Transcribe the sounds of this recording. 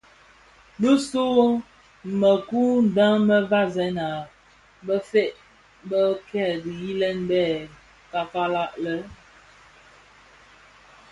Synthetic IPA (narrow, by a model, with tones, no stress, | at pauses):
bə˦so˦ | mə˨ku˦n̩˨da˦ŋmə˦va˦zɛ˨˦na˨ | bə˦fe˦ʔ | bə˦kɛ˦˨di˨ji˦lɛ˦nbɛ˦˨ | ka˨fa˦la˦ʔlə˦